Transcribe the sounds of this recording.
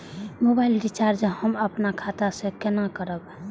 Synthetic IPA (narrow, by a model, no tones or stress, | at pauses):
mobaɪlɾit͡ʃaɾd͡ʒəhəməpnakʰat̪asẽkənakəɾəb